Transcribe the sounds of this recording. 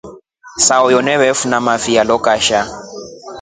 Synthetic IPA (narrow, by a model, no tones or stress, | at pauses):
saʊjɔnɛβɛfunamafialɔkʼaʃa